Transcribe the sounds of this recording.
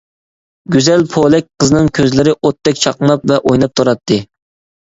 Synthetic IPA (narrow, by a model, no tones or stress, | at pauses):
ɡʲyzɛlpʰolˠɛk̚ʲqʰəzɨnɨŋkʲʰøzlɪɾɪʔot̪ːɛkʲt͡ʃʰɑqnˠɑpvɛʔojnɑp̚t̪ʰoɾɑt̪ʰːɨ